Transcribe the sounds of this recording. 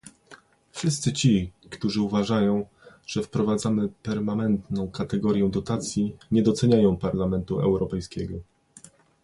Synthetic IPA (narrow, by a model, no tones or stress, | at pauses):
fʂɘst̪sɘt͡ɕikt̪uʐɘuvaʐajɔ̃w̃ | ʐ̥ɛfpɾɔvad̪zamɘpɛɾmanɛnt̪nɔ̃w̃kat̪ɛɡɔɾjɛw̃d̪ɔt̪at̪sʲjiɲɛd̪ɔt̪sɛɲajɔ̃w̃paɾlamɛnt̪uɛ̰wɾɔpɛjskʲɛɡɔ